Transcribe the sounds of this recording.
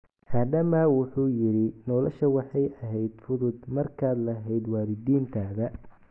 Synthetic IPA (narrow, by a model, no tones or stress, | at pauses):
haːd̪ɐmɐwʊħuːjɪɾɪnɔlɔʃɐwɑħɑjɐɦɛjd̪fʊðʊd̪mɐrkʰaːd̪lɐɦɛjd̪waːɾɪd̪iːnt̪ʰaːðɐ